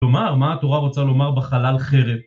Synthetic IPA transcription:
omaʁmaːt̪o̞ʁaʁo̞t͡salo̞maʁbeχalalχeʁev

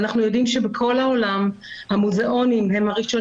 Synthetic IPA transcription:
naχnujo̞dimʃebekʰo̞laolam | hamuzeʔo̞nimhe̞mhaʁiʃo̞

